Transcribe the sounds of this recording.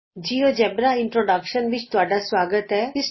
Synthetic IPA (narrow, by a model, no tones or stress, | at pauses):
d͡ʒiːod͡ʒɛːbɾaɪ̃ɳʈɾoːɖakʃənʋɪt͡ʃt̪ʊaːɖasʋaːɡət̪ɦɛːɪs